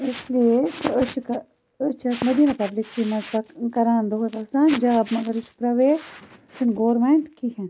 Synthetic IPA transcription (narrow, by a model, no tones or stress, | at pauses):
ɪsliet̪oʊt͡ʃʰkɐ | ʊt͡ʃʰɐt̪mɐd̪iːnapɐblɪkːimɐzbɐkɐɾaːnd̪oɦɐt̪ɐsaːnd͡ʒɐbmɐɡɐɾʊt͡ʃpɾɐʋeːsɪnɡoːɾmeɳʈkʰiːkʰɛ̃n